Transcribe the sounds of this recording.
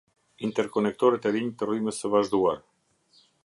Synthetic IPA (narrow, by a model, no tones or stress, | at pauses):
int̪ɛɾkɔnɛk̚t̪ɔɾɛt̪ɛɾiɲit̪əryməsəvaʒd̪uaɾ